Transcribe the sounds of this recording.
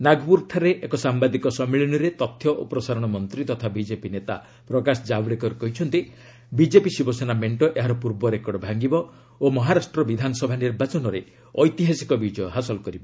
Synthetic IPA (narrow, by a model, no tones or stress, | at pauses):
naɡbuɾt̪ʰaɾeʔekɔsambad̪ikɔsɔmiɭiñiɾet̪ɔt̪ʰːjɔʔo̰pɾɔsaɾɔɽ̃ɔmɔnt̪ɾit̪ɔt̪ʰabid͡ʒepinet̪a̰ | pɾɔkasɔd͡ʒabɽekɔɾkɔɦit͡ʃʰɔnt̪i | bid͡ʒepisibɔsenameɳʈɔʔeɦaɾɔpuɾbɔɾekɔɽɔbʱaŋɡibɔ | omɔɦaɾasʈɾɔbid̪ʱanɔsɔbʱaniɾbat͡ʃɔnɔɾe | ɔjt̪iɦasikɔbid͡ʒɔjɔɦasɔlkɔɾibɔ